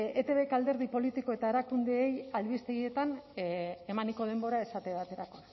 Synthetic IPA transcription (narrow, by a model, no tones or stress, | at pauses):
et̪e̞βe̞kald̪e̞ɾð̞ipo̞lit̪iko̞e̞t̪ae̞ɾakund̪e̞ːjalβist̪e̞ɣie̞t̪an | e̞maniko̞ð̞e̞mbo̞ɾae̞sat̪eβat̪e̞ɾako̞